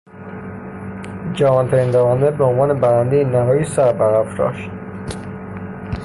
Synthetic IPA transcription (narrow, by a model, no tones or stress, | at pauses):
d͡ʒævɒːnt̪ʰæɾind̪ævænd̪ebeonvɒːnebæɾænd̪ejenæɦɒːjisæɾbæɾæfɾɒ̰ʃt̪